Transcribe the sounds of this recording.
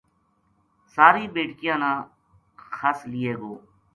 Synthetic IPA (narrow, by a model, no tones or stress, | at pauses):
saːɾiːbeːʈkɪjãːnãː | xʰaːslɪjeːɡoː